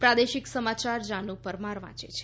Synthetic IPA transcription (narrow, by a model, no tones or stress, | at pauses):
pɾad̪eʃiksəmat͡ʃaɾd͡ʒanũpəɾmaɾʋã̰t͡ʃet͡ʃʰe